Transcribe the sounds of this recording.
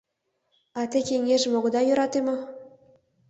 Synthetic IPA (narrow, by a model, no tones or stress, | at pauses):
ɑt̪ʲekʲeŋʲeʒĕmoʁɤ̆d̪ɑjuɾɑt̪emɤ̆